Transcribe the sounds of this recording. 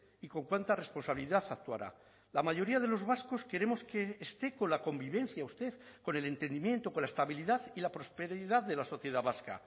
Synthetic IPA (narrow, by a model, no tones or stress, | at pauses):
iko̞ŋkwant̪are̞spo̞nsaβiliðaθak̚t̪ua̰ɾa̰ | lamaʝo̞ɾiað̞e̞lo̞zβasko̞ske̞ɾe̞mo̞skeːst̪e̞ko̞nlako̞mbiβ̞e̞n̟θjaust̪e̞ðko̞ne̞le̞nt̪e̞nd̪imjẽ̞nt̪o̞kolaest̪aβ̞iliðaðilapɾo̞spe̞ɾiðaððe̞laso̞θje̞ð̞aβaska̰